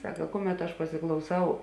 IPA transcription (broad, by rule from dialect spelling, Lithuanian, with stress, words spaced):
ˈsɑːkɐ ˈkʊˌmʲɛt ɐʃ pɐsʲɪklˠɐʊˈsɐʊ